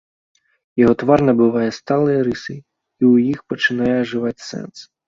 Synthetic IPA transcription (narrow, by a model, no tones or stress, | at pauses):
jɔɦɔt̪ʋɑrnɐbʊʋɑjɛst̪ɑlˠɪjɐɾɪsɪj | iujixpɔt͡ʃɪnɑjɛʒɪʋɑtʲsɛ̰ns